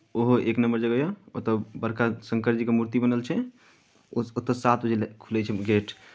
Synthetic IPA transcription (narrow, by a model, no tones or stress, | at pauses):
oɦoʔeknəmbəɾd͡ʒəɡəjoot̪əbəɾkasəŋkəɾd͡ʒikemuɾt̪ibənəlt͡ʃʰɛ | ot̪ːəsat̪ʰbəd͡ʒelkʰulɛt͡ʃʰɛɡeʈʰ